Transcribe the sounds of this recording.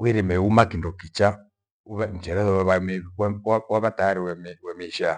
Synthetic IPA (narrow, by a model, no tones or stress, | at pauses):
wiɾimɛumakindɔkit͡ʃa | uβam̩t͡ʃɛɾɛðɔwβamɛwawaβataɾiwɛmɛwɛmiʃa